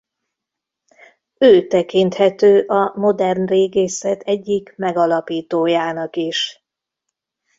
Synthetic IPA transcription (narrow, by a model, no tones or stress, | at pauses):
øːt̪ɛkint̪hɛt̪øːʔɒmo̞d̪ɛrnreːɡeːsɛt̪ʰɛɟːikmɛɡɒlɒpiːt̪oːjaːnɒkiʃ